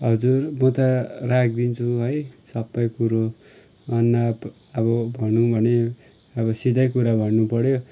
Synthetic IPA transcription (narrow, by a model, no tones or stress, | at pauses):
ɦʌd͡zurmʌt̪ʌrak̚ʰd̪int͡sʰuɦʌjsʌbːʌjkuɾo | ʌnːab | ʌbʌbʱʌnũbʱʌne | ʌbʌsid̪ʌjkuɾabʱʌnːupʌɽjo